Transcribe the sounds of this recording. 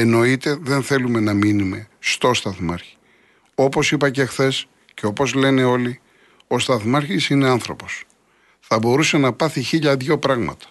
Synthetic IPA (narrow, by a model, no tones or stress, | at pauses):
eno̞it̪e̞ðe̞nθe̞lume̞nɐminume̞st̪o̞st̪ɐθmɐɾçi̥ | o̞po̞sipɐce̞xθe̞s | ce̞o̞po̞zle̞ne̞o̞li | o̞st̪ɐθmɐɾçisine̞ɐnθɾo̞po̞s | θɐbo̞ɾuse̞nɐpɐθiçiʎɐðʝo̞pɾɐɣmɐ̰t̪ɐ̥